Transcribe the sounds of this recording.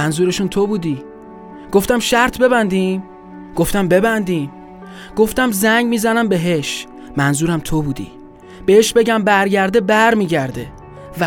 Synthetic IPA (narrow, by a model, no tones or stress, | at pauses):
ænzuːɾeʃunt̪ʰobuːd̪i | ɡ̥o̞ft̪æmʃæɾt̪ʰbe̞βænd̪im | ɡ̥oft̪æmbe̞bænd̪im | ɡ̥o̞ft̪æmzæŋɟmiːzænæmbeɦeʃ | mænzuːɾæmt̪ʰobuːd̪ḭ | b̥eheʃbe̞ɟæmbæɾɟæɾd̪e̞bæɾmiːɟæɾd̪e̞ | v